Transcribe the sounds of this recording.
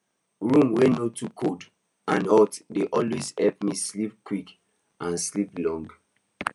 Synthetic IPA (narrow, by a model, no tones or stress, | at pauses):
ɹũmwenotʰukʰod | ãnɔtdeʔɔlwezhɛlp̚mislip̚kwik | ãnsliplɔ̃ŋɡ